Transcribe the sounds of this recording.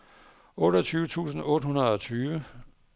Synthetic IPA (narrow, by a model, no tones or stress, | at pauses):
ɔ̽ːɾ̥ɐt͡sʰyːʊət͡sʰṵːsn̩ɔ̽ːd̥əhunɐð̞ˠɒ̽t͡sʰyːʋə